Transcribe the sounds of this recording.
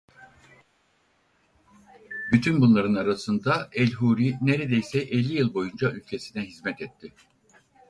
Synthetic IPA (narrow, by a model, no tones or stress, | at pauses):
byt̪ʰynbunlˠaɾɯnaɾasɯnd̪aɛlʲɦuːɾineɾe̞d̪ejsɛʔɛlʲːijɯlˠbo̞jund͡ʒaylʲcʰe̞sinɛɦizmɛt̪ɛt̪ʰːɪ